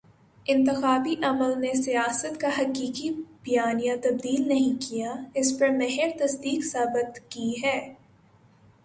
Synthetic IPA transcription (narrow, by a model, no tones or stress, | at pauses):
ɪ̃nt̪ɪxaːbiʔɐməlnesijaːsət̪kaɦɐqiːkibɐjaːnijãt̪ɐb̚d̪iːlnɐɦĩkijaɪspɐɾmɛɦɪɾt̪ɐsd̪iːksaːbɪt̪kiɦɛː